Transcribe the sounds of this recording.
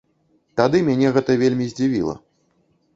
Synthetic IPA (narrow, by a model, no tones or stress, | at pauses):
t̪ad̪ɨmʲanʲɛɣɛt̪ɐvʲelʲmʲizʲd͡zʲivʲḭlˠɐ̰